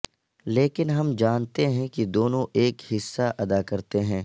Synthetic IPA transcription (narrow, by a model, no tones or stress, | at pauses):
leːkɪnɦɐmd͡ʒaːnt̪eɦɛ̃kid̪oːnõʔeːkhɪsːaʔɐd̪akɐɾt̪eɦɛ̃ː